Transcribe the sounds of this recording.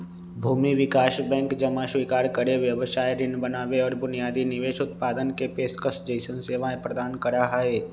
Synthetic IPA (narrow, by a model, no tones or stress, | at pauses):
bʱuːmiʋɪkaːʃbɛ̃ːŋkd͡ʒɐmaʃwikaːɾkəɾeʋjəʋəʃaːjɾɪnbənaːʋeɔːɾbʊnijaːd̪inɪʋeːʃʊt̪̚paːd̪ənkepeːskəsd͡ʒəɪsənseːʋaẽpɾəd̪aːnkəɾaɦaɦeː